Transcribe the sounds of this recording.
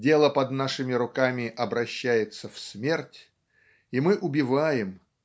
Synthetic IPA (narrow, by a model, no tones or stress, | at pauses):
dʲe̞lˠəpɐd̪naʂɨmʲɪɾʊkamʲɪʔɐbɾɐɕːæjɪt̪səfsmʲe̞rtʲ | imɨʔʊbʲɪvajɪm